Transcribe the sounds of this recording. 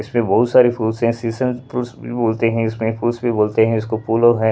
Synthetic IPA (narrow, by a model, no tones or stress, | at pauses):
ɪsmẽbɐɦʊt̪saːɾifʰuːlsɦɛ̃siːsə̃npɾuːsbʱiboːlt̪eɦɛ̃ɪsmẽfuːlsbʱiboːlt̪eɦɛ̃ɪskopuːloɦɛ̃